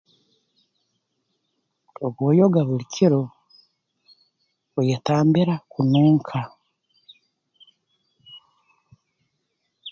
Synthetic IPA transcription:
oɡwojoɡaβulicʰiɾo | ojetaːmbiɾakunuːŋkʰa

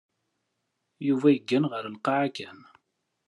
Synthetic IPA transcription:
juvæjəɡːænʁəɾnqːɑʕakæn

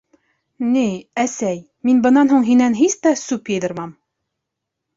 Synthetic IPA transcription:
niæsæj | minbɤ̆nːɑnɦuɴɦinænɦist̪æsupjɤ̆jðɤ̆ɾmɑm

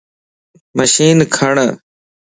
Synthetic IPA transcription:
məʃiːnkʰəɳ

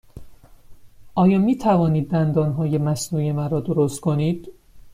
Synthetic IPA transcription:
ʔɒːjɒːmiːt̪ʰævɒːniːd̪ːænd̪ɒːnɦɒːje̞mæsnuːjemæɾɒːd̪oɾost̪̚kʰoniːd̪̥

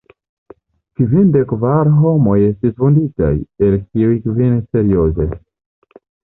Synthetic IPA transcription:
kvinde̞kvaɾɦo̞mo̞je̞stisvundita̰je̞lkiujkvenise̞ɾio̞ze

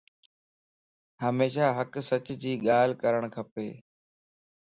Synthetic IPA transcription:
həmeːʃaːɦəksət͡ɕd͡ʑiːɠaːl̤kəɾəɽ̃kʰəpeː

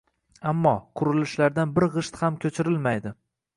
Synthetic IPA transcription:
amːɒqʰʊɾɪlɪʃlaɾd̪anbɪɾʁɨʃt̪hamkʲʰɵt͡ʃʰɪɾɪlmajd̪ɪ

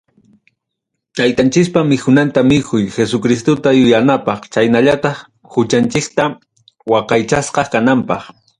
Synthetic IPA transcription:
t̪ajt̪ant͡ʃɪkpamɪkʊnant̪amɪkʰʊjxesʊkɾɪst̪ot̪ajʊjanapɑχt͡ʃajnaʎat̪ɑχ | hʊt͡ʃant͡ʃɪkt̪a | wɑqɑjt͡ʃasqɑkanampɑχ

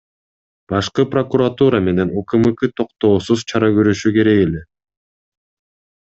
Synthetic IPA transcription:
b̥ɑʃqɯpro̞kuɾat̪uɾɑme̞ne̞nukɯmɯkɯt̪ʰo̞qt̪o̞ːsuzt͡ʃʰɑɾɑɡøɾyʃyke̞ɾe̞ke̞le̞

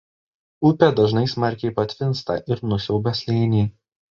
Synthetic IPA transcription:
ʊpʲɛd̪ɐʒnɐɪsmɐɾʲkʲɛɪpɐt̪ʲʋʲɪnst̪ɐ̰ˑʔɪɾnʊsʲɛʊbʲɛsʲlʲɛːnʲiː

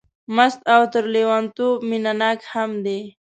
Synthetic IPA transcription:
mast̪awt̪əɾlewant̪ominanɑkhamd̪e

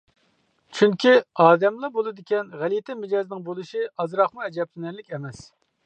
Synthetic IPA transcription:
t͡ʃʰyŋkʲiɑːd̪ɛmlˠɑbolˠɨd̪ɪkʲɛnʁælijt̪ʰɛmɪd͡ʒɑːznɪŋbolˠɨʃiʔɑzɾɑχmuɛd͡ʒɛp̚lɪnæɾlɪkʲɛmɛs

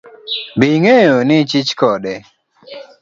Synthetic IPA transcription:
biŋejonɪt͡ʃit͡ʃkɔdɛ

